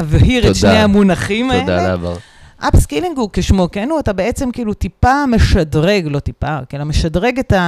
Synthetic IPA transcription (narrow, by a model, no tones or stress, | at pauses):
aveɦiʁeʃnehamunaχimaed̪alava̰ʁ | ʔapskiliŋɡukeʃmokenuatabeet͡semkiːlutipame̞ʃadʁeɡlo̞tipakelameʃadʁeɡeta